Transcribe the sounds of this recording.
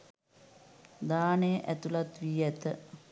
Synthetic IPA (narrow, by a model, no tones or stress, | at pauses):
d̪aːnejəʔæt̪ulat̪ʋiːɛt̪ə